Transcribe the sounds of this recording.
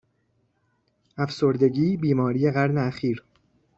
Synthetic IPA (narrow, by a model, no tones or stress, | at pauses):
ʔæfso̞ɾd̪e̞ɟiːbiːmɒːɾije̞ɣæɾne̞æxiːɾ